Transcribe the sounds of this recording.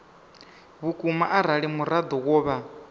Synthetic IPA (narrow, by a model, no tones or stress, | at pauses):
βukʼumaʔaɾaɺimuɾad̪ɔɣɔːβa